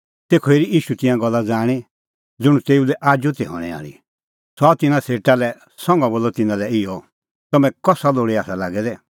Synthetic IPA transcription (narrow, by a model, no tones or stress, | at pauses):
t̪eːkʰɔeːɾiiːʃut̪ɪ̃jãɡɔlːad͡zaːɽ̃i | d͡zʊɽ̃ũt̪eːulɛʔaːd͡ʒut̪ɛɦɔ̰ɽ̃ɛ̰a̰ːɽḭ | sɔat̪ɪnãseːʈalɛ | sɔ̃ŋɡãboːlɔt̪ɪnãlɛɪjɔ | t̪ɐmɛ̃kɔsaloːɽiaːsalaɡɛd̪ɛ